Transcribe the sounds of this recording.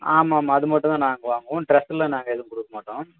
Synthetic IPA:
aːmaːmːaɐðɯmɐʈːʊ̃t̪ãːnaːŋɡɐʋaːŋɡɐõʈɾɐsɯlɐ̃naːŋɡɐɛðɯ̃kɔɽɯkːɐmaːʈːõː

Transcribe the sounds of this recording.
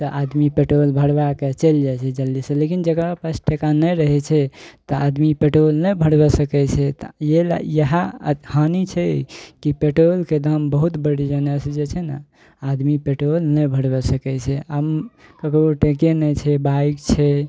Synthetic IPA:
t̪əʔad̪mipeʈɾolbʱəɽbaket͡ʃəld͡ʒat͡ʃʰɛd͡ʒəlːisẽlekind͡ʒəkɾapasʈʰekanəjɾəɦɛt͡ʃʰɛt̪ɔad̪mipeʈɾolnəbʱəɽbɛsəkɛt͡ʃʰɛt̪jela̰jəɦahanit͡ʃʰɛkipeʈɾolked̪ʱəmbəɦut̪bəɽid͡ʒənəsd͡ʒet͡ʃʰɛna̰ | ad̪mipeʈɾolnəbʱəɽbɛsəkɛt͡ʃʰɛəmkəkɾoʈekenɛt͡ʃʰɛbaikt͡ʃʰɛ

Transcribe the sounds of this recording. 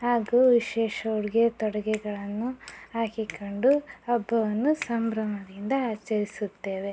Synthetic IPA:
aːɡuʋiʃɛːʃɐuɽiɡet̪ɔɽɐɡɛɡɐɭɐnːuaːkikoɳɖuɐbːɐʋɐnːusɐmbɾɐmɐd̪ind̪ɐaːt͡ʃɐɾisut̪ːe̞ːʋe

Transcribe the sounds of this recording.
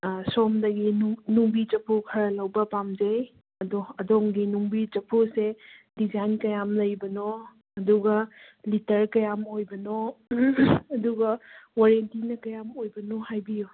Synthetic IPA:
somdɐɡinnuŋbid͡ʒɐpʰokʰɐɾɐlɐwbɐpamd͡ʒej | ɐdoɐdoŋɡinuŋbid͡ʒɐpʰosed̥id͡ʒajnkɐjamlɐjbɐno | ɐduɡɐ | litɐɾkɐjamojbɐno | duɡɐwaɾentinɐkɐjamojbɐnohajbiju

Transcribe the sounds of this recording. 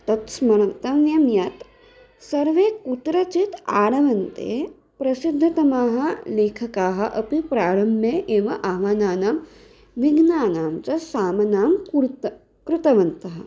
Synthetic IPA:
t̪ɐt̪smɐɾɐt̪ɐmjɐmjat̪ | sɐɾʋeːkut̪ɾɐt͡ʃit̪aːɽɐʋɐnt̪ḛː | pɾɐsid̪ʱːɐt̪ɐmaːɦɐ̆leːkʰɐkaːɦɐ̆ʔɐpipɾaːɽɐmjɐʔeːʋɐʔaːʋaːnaːnaːm | ʋiɡnaːnaːmt͡ʃɐsaːmɐnaːm | kɾɪt̪ɐʋɐnt̪ɐɦɐ̆

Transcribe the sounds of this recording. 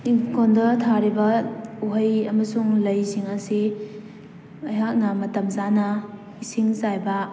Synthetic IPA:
ikʰondɐtʰaɾibɐuɦɐjɐmɐsuŋlɐjsiŋɐsi | ɐjɦak̚nɐmɐtɐmzanɐ | isiŋzajbɐ

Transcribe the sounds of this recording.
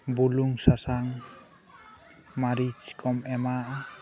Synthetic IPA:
buluŋsasaŋ | maɾid͡ʒkʰɔmɛmaʔa

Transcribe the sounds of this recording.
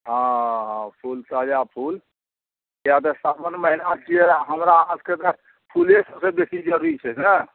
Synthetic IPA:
ɦãɦãpʰulsad͡ʒapʰul | jat̪əsabənməɦilat͡ʃieɦəmɾaəd͡ʒket̪ə | pʰulesəbsebesid͡ʒəɾuɾit͡ʃʰɛə

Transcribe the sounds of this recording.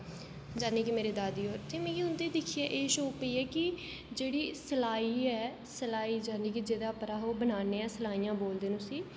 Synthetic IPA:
d͡ʒaːniːkimeːɾeːd̪aːd̪iːoːɾt̪eːmɛ̃ːiʊnd̪eːd̪ɪkʰiːeːʔeːʃoːpəiːɛːkɪ | d͡ʒeːɽiːsəlaːiːɛː | səlaːiːd͡ʒaːniːkid͡ʒeːd̪aːpəɾaːɦoːbənaːneːɛːsəlaːiːjãːboːld̪eːnũːsiː

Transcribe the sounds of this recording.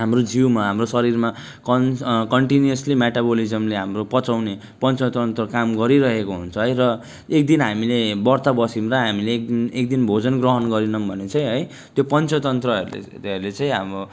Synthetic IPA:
ɦamrod͡ziwmaɦamrosʌɾirma | kʌkʌɳʈiniʌslimeʈabolid͡zʌmleɦamropʌt͡sawne | pʌnt͡sʌt̪ʌnt̪rʌkamɡʌɾiɾʌɦekoɦunt͡sʰʌɦʌjrʌ | ek̚d̪inɦamilebʌrt̪abʌsimraɦamilekek̚d̪inbʱod͡zʌnɡrʌɦʌnɡʌɾinʌmbʱʌnet͡sãj̃ɦʌj | t̪jopʌnt͡sʌt̪ʌnt̪rʌ̰ | ʌrlet͡sãĩɦamo

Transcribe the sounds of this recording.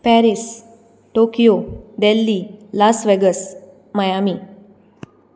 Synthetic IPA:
pɛɾis | ʈokijoɖelːilasʋeɡəs | məjami

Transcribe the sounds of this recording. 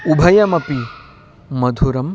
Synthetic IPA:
ubʱɐjɐmɐpi | mɐd̪ʱuɾɐm

